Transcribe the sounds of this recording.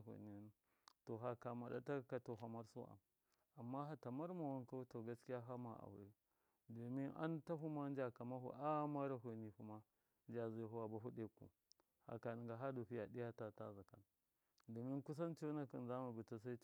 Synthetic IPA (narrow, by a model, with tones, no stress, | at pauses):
ḛ˨ni˨˦ | to˨ɦa˦ka˨ma˨da̰˦ta˦ka˨to˨ɦa˨ma˦ɾso̰˦ʔa̰˨m | a˨mːa˦ɦa˦ta˨ma˦ɾma˨wa˦nka˦to˨ɡa˦ski˦ja˦ɦa˦ma̰˨a̰˨wḛ˦ | do˨mi˦nʔa̰˦nta˦ɦu˦ma˦n˦d͡ʒa˨ka˨ma˦ɦṵ˨ʔa˦ma˦ɾa˦ɦʷe˨ni˨hu˦ma˦ | nd͡ʒa˨zi˨˦˨ɦu˦wa˨ba˨ɦu˦ɗe˦˨kṵ˨ | ha̰˨ka˨ni˨ŋɡa˨ɦa˦do˨ɸi˦ja˨di˦ja˦ta˦˨ta˦za˨ka̰˨n | do˨mi˦nku˦s̬a˦nt͡ʃo˦na˨ki˨nza˦ma˨bi˨ta˦s̬a˦